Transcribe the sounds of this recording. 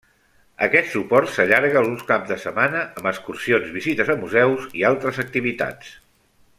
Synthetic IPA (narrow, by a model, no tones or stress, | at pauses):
ə̰kɛt̪supɔɾt̪səʎaɾɣəlunskapzd̪əsəmanəəməskursionzβizit̪əzəmuzɛwzialˠt̪ɾəzək̚t̪iβit̪a̰ts